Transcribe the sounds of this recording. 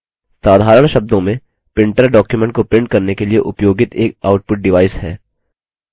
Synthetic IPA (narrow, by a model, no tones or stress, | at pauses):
saːd̪ʱaːɾəɽ̃ʃɐb̚d̪õmẽ | pɪ̃ɳʈəɾɖɔːkjumɛ̃ɳʈ̚kopɪ̃ɳʈ̚kɐɾnekeliḛʔʊpjoːɡɪt̪eːk̚aːʊʈ̚pʊʈ̚ɖɪʋaːɪshɛː